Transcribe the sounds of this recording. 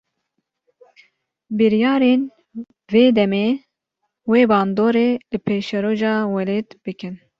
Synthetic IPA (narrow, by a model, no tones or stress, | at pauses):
bɨɾjɑːɾen | veːd̪ɛmeː | weːbɑːnd̪oːɾeːlɨpʰeːʃɛɾoːʒɑːwɛleːt̪b̥ɨkɨn